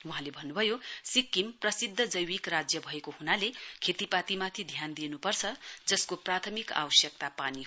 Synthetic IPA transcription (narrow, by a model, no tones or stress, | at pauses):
wuɦãlebʱʌnːubʱʌjosikːimprʌsid̪ʱːʌd͡zʌjwikrad͡zjʌbʱʌekohunalekʰet̪ipat̪imat̪ʰid̪ʱjand̪inupʌrt͡sʰʌd͡zʌskoprat̪ʰʌmika̰wʌsjʌk̚t̪apani